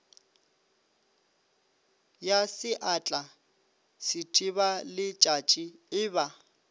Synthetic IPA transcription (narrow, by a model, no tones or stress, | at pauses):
jasɪʔat͡ɬʼa | sɪtʰʼiβalɪt͡ʃʼat͡ʃʼiɪːba